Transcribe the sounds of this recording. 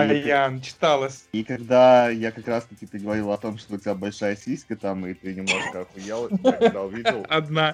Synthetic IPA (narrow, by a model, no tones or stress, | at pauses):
ɐjant͡ɕɪ̥t̪alˠəsʲikɐɡd̪ajakɐkɾast̪əkʲɪpɨɡəvɐɾʲilˠəɐt̪o̞mʂt̪oʊtʲɪbʲabɐlʲʂajəsʲisʲkət̪amɨt̪ɪnʲɪmnˠoʐkəɐkjalˠɐkd̪aʊvʲidɪlˠɐd̪na